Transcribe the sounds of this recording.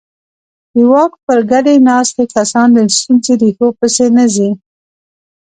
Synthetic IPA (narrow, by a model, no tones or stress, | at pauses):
d̪əwɑk̚pəɾɡaɖenɑst̪ekasɑnd̪əst̪unzeɾixopəsenazi